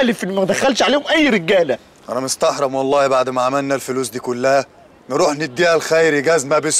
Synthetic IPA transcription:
lɪfʔenːmæd̪æxælʃʕaleːhomʔæjːɾɪɡæːlæ | ʔæ̰næmɪst̪ɑħɾˤɑmwɑlˤːɑːbaʕd̪mæʕamælnælfʊluːsd̪iːkʊlːæhæ | nɾuːħnɪd̪ːiʔælxæjɾiɡæzmæbɪs

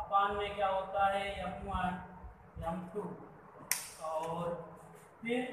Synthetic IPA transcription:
paːnmẽkjaɦoːt̪aɦɛjɐkũa | jəmʈʰu | ɔːɾ | pʰɪɾ

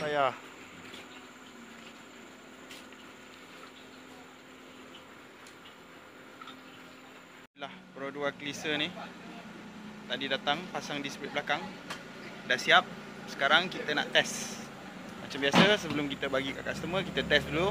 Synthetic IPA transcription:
ajah | lahpəɾoduaklisəni | t̪aʔdidat̪aŋpasaŋdispɾit̚blakaŋ | dahsiap̚ | sə̥kaɾaŋkit̪əna̰ʔt̪ɛs | mat͡ʃambiasəsəbəlʊmkit̪əbaɡika̰ʔkast̪əmə̃kit̪ət̪ɛsdulu

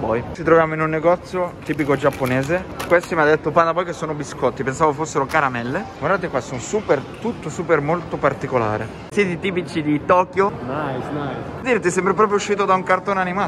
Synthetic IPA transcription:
bɔjt͡ʃit̪ɾovjaːmoinunːeɡɔt̪sːjot̪iːpikod͡ʒapːoneːzekwest̪imiad̪ːet̪ːopand̪abɔjkesːoːnobiskɔt̪ːipensaːvokefosːeɾokaɾamɛlːeɡwaɾd̪at̪̬ekwasːonsuːpert̪ut̪ːosuːpermolt̪opart̪ikola̰ːɾḛ | siːt̪it̪iːp̬it͡ʃid̪it̪ɔːkjonajsnajsd̪iːɾet̪ːisɛmbɾep̬ɾɔːpɾjouʃːiːt̪od̪auŋkart̪oːnanimaː

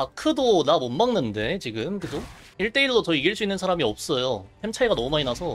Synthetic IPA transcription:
akʰɯdonamonmaŋnɯnde̞t͡ɕiɡɯmkɯd͡ʑo | iɭt͈e̞iɭːot͡ɕʌiɡiɭs̬͈uinːɯnsʰaɾamiʌp̚s͈ʌjohemt͡ɕʰaiɡanʌmumainasʰʌ

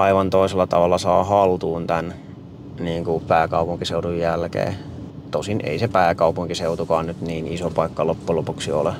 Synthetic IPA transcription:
ɑiʋɑnt̪oiselːɑt̪ɑʋɑlːɑsɑːhɑlt̪uːnt̪æn | niːŋkupæːkɑupuŋkiseutujjælkḛː | t̪osinḛisepæːkɑupuŋkiseut̪ukɑːnnyt̪niːnisopɑikːɑlopːulopuksio̰le

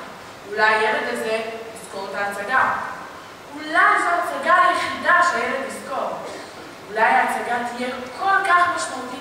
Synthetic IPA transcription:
ulajːeled̪lezeliskoʁt̪aːt͡saɡa | ulajzoat͡saɡaajeχid̪aʃeajelet̪lisko̞ʁ | ulajaːt͡saɡat̪ijekʰolkaχmaʃmaut̪i

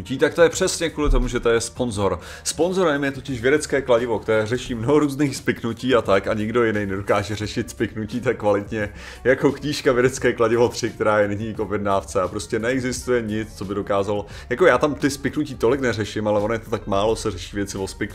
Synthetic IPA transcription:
ciːt̪ak̚t̪ojɛpr̝̥ɛsɲɛkvuːlɪt̪o̞muʒɛt̪o̞jɛspo̞nzo̞ɾ | spo̞nzo̞ɾɛmjɛt̪o̞cɪʃvjɛdɛt͡skɛːklaɟɪvo̞kt̪ɛɾɛːrɛʃiːmnoɦo̞ɾuːzniːxspɪknuciːat̪akaɲɪɡdo̞jɪnɛjnɛdo̞kaːʒɛrɛʃɪt̪spɪknuciːt̪akːvalɪt̪ɲɛ | jako̞kɲiːʃkavjɛdɛt͡skɛːklaɟɪvo̞t̪r̝̥ɪk̚t̪ɛɾaːjɛnɪɲikovjɛdnaːft͡sɛapɾo̞scɛnɛɛɡzɪst̪ujɛɲɪt͡st͡so̞bɪdo̞kaːzalo | jako̞jaːt̪amt̪ɪspɪknuciːt̪o̞lɪknɛrɛʃɪmalɛvonjɛt̪ot̪akmaːlo̞sɛrɛʃiːvjɛt͡sɪvo̞spɪk

